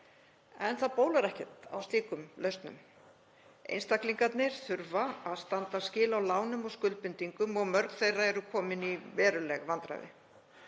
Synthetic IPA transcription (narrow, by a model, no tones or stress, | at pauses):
ɛnθaðpoːwlaɾɛhcɛt̪a̰wst̪iːkʏmlœɥst̪nʏ̰m | ḛjnst̪akliŋkat̪nɪɾ̥θʏɾvaaðst̪ant̪ascɪːlawlaːwnʏmɔɣskʏlt̪̚pɪnt̪iŋkʏmɔɣmœɾkθejrːaɛɾʏkʰɔːmɪnivɛːɾʏlɛɣvant̪ɾa̰jðɪ̰